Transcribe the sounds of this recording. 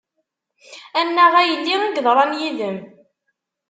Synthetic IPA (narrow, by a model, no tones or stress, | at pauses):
ænːæʁæjəlːiʁæɡðˤɾˤɑnjiðəm